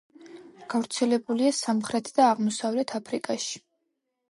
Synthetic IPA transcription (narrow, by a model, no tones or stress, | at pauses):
ɡ̥avɾt̪sʰɛlɛbuliasamχɾɛt̪ʰd̪aːʁmɔsavlɛt̪ʰapʰɾikʼaʃi̥